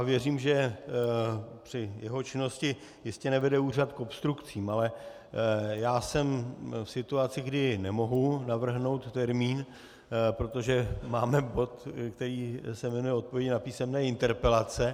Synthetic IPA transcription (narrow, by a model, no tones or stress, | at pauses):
avjɛriːmʒɛ | pr̝̥ɪjɛɦot͡ʃɪno̞scɪ | jɪscɛnɛvɛdɛuːrat̪ko̞pst̪ɾukt͡siːmalɛ | jaːsɛmfsɪt̪uat͡sɪɡdɪnɛmo̞ɦunavr̩ɦno̞wt̪ːɛɾmiːn | pɾo̞t̪o̞ʒɛmaːmɛbo̞t̪kt̪ɛɾiːsɛmɛnujɛot̪̚povjɛɟɪnapiːsɛmnɛːɪnt̪ɛɾpɛlat͡sɛ